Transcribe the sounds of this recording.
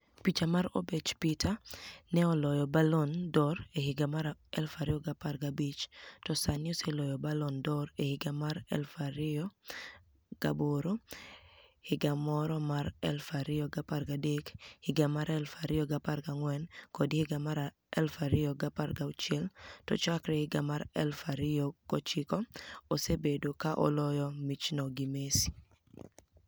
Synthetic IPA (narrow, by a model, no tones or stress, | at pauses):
pit͡ʃamaɾo̰bet͡ʃpitanɛɔlɔjɔbalɔndɔɾehɪɡamaɾaɛlfaɾɪɔɡaparɡabit͡ʃtɔsanɪɔsɛlɔjɔbalɔndɔɾehɪɡamaɾɛ̰lfaɾɪɔ | ɡ̥a̰boɾo | hɪɡamɔɾɔmaɾɛlfaɾɪɔɡaparɡadekhɪɡamaɾɛlfaɾɪjɔɡapaɾɡaŋwɛnkɔdhɪɡamaɾ | ɛlfaɾɪjɔɡaparɡaut͡ʃɪɛltɔ̰t͡ʃakɾɛhɪɡamaɾɛ̰lfaɾɪjɔkɔt͡ʃɪkɔosebedokaʔɔ̰lɔjɔmit͡ʃnɔɡimesi̥